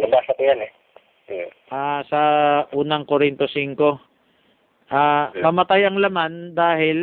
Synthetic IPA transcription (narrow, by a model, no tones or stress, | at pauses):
nɐbaːsɐkʊjanɛ | ʔaːsɐʔuːnɐŋkoɾɪnt̪osiŋko̞ | ʔaːmɐmɐt̪ajɐŋlɐmand̪aːɦɪl